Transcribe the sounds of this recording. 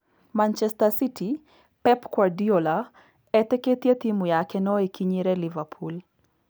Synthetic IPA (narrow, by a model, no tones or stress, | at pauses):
mant͡ʃɛstasiti | pɛpkwardiola | ɛt̪ɛket̪jet̪imujakɛnɔekʰiɲiɾɛlivapʰul